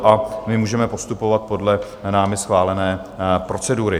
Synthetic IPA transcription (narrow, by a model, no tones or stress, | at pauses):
ʔamɪmuːʒɛmɛpo̞st̪upo̞vat̪̚po̞dlɛ | naːmɪsxvaːlɛnɛːpɾo̞t͡sɛduːɾɪ